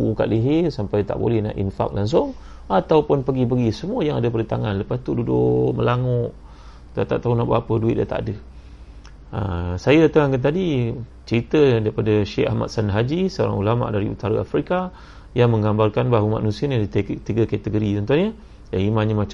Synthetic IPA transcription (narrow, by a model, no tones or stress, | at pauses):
uka̰ʔliɦɪsampajt̪a̰ʔbo̰lɛhna̰ʔḭnfa̰k̚laŋs̬ʊŋ | at̪awpʊnpəɡipəɡisəmuəjaŋadəpədət̪aŋanləpast̪ududʊməlaŋʊʔ | d̪a̰ʔt̪a̰ʔt̪aunaʔbəapəduɪt̪̚da̰t̪a̰ʔadə | ə̰sajadat̪əŋankant̪adit͡ʃəɾit̪ədaɾipadaʃɛa̰hma̰t̪̚sanɦad͡ʒisəoɾa̰ŋulama̰ʔdaɾiṵt̪aɾaafɾika | jaŋmə̃ŋɡambarkanbaɦuma̰ʔnusiənadit̪iɡəkat̪əɡoɾit̪ɔnt̪uahɲə | jaŋimãɲamat͡ʃa